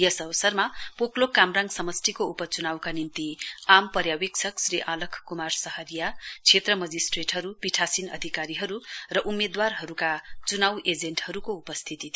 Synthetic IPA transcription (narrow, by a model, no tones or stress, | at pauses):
jʌsʌbʌsʌrmapoklokamraŋsʌmʌsʈʰikoupʌt͡sunawkanint̪iampʌɾjawik̚sʰʌksɾiʔalʌkʰkumarsʌhʌɾijat͡sʰet̪rʌmʌd͡zisʈreʈɦʌɾupiʈʰasinʌ̰d̪ʱikaɾiɦʌɾurʌʔumːed̪warɦʌɾukat͡sunawed͡zeɳʈhʌɾukoupʌst̪ʰit̪it̪ʰ